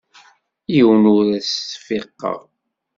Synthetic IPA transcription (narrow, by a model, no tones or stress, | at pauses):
jiwnʊɾæsθfiqːə̰ʁ